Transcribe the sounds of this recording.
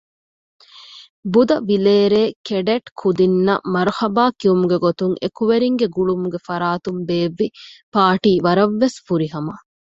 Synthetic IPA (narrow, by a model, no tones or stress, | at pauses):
bud̪ɐʋileːɾeːkeɖeʈkʰud̪inːɐ̰mɐɾhɐbaːkiumuɡeɡot̪uŋḛkuʋeɾiŋɡeɡuɭumuɡefɐɾaːt̪umbeːʋːipaːʈiːʋɐɾɐʋːesfuɾiɦɐmɐ